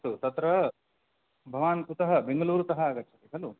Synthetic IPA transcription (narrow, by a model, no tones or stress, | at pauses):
t̪ut̪ɐt̪ɾɐ | bʱɐʋaːnut̪ɐɦɐbeŋɡɐluːɾut̪ɐɦɐaːɡɐt̪ːt͡ʃʰɐt̪iɦɐlu